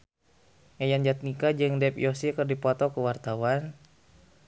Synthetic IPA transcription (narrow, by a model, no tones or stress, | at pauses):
ŋajand͡ʒat̪̚nikad͡ʒɨŋdɛpjɔsikɨrdipɔt̪ɔkəwart̪awan